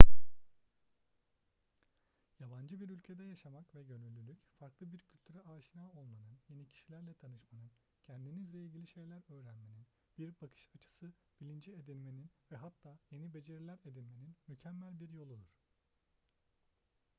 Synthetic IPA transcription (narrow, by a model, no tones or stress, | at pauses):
jaband͡ʒɯbiɾylʲcʰe̞d̪ɛjaʃamakvɛɟønylʲːylʲycfaɾklˠɯbiɾcʰylʲt̪ʰyɾɛaːʃinaːolˠmanɯnje̞nicʰi̥ʃilʲæɾlʲɛt̪ʰanɯʃmanɯn | cʰænd̪inizlʲɛilʲɟʲilʲiʃe̞jlʲæɾø̞ːɾænmenin | b̥iɾbakʰɯ̥ʃat͡ʃʰɯ̥sɯ | b̥ilʲind͡ʒied̪ilʲme̞ninvɛɦat̪ʰːaːje̞nibe̞d͡ʒe̞ɾilʲæɾe̞d̪ilʲme̞ninmycʰæmːælʲbiɾjo̞lˠud̪uɾ̥